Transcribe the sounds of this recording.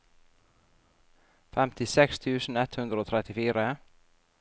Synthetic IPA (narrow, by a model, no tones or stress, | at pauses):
fɛmt̪ɪsɛkst̪ʰʉːsn̩ɛt̪hʉnd̪ɾəoːt̪ʰɾɛt̪ɪfiːɾə